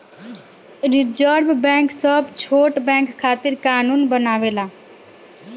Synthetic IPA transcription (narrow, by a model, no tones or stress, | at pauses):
ɾid͡ʒəɾbbɛ̃ksəbʱt͡ʃʰoʈbɛ̃ŋkʰːaːt̪iɾkaːnunbənaʋela